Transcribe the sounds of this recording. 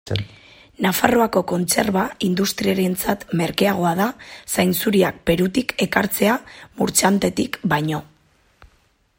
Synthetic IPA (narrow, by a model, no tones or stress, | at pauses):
nafaro̞ako̞ko̞nt͡se̞ɾβaind̪ust̪ɾiaɾe̞nt͡sat̪me̞ɾke̞aɣ̞o̞aðasajnsuɾiak̚pe̞ɾut̪ike̞kaɾt͡se̞amuɾt͡sant̪e̞t̪ikbajɲo̞